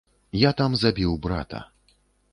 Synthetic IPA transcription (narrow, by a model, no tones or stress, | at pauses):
jat̪amzabʲiwbɾa̰t̪ɐ̰